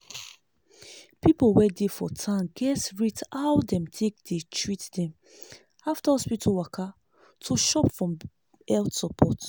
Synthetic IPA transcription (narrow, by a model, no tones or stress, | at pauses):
pipolwɛdefɔ̰tʰãnɡɛtɹitawdɛ̃mtʰek̚detʰɹitdɛ̃m | aftaɔspitʰowakʰa | tʰoʃɔpfɹɔ̃m | ɛltsɔpʰɔt